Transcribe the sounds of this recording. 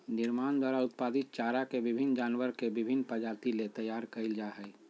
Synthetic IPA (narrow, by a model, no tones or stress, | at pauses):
nɪɾmaːnd̪waːɾaʊt̪̚paːd̪ɪt̪̚t͡ʃaːɾakebɪbʱɪnːd͡ʒaːnwəɾkebɪbʱɪnːpəd͡ʒaːt̪ilet̪əjaːɾkəɪld͡ʒaɦɛi